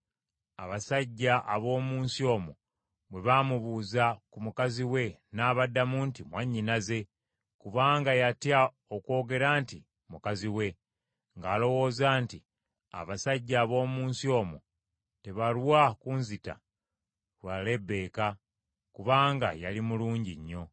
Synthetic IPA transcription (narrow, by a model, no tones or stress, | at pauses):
aβasaɟːaʔaβo̞ːmuːnsio̞ːmo | βwe̞βamuβuːzakumukaziwe̞naːβadːamuːntimwaɲːinaze̞ | kuβaːŋɡajatja | okwo̞ːɡe̞ɾaːnti | mukaziwe̞ | ŋɡaːlo̞wo̞ːzaːnti | a̰βasaɟːaːβo̞ːmuːnsio̞ːmo | te̞βaɾwakunzita̰ | wale̞be̞ːka | kuβaːŋɡajalimuluːɲɟiɲːo̞